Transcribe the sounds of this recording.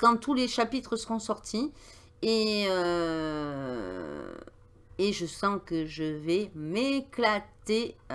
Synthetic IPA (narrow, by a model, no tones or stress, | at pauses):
kɑ̃t̪uleʃapit̪χəsəʁɔ̃sɔʁt̪ʰi | eø | eʒəsɑ̃kəʒəvɛmeklat̪e